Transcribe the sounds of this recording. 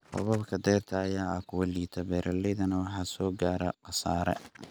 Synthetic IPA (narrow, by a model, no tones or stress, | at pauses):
hɔ̰βɐbkʰɐd̪ɛːrt̪ʰɐːjaːɐkʰʊwɐliːt̪ʰɐbɛːɾʔɐlɛjðɐnɐwɑħɑːsɔːɡaːɾɐqɑsaːɾɛ̰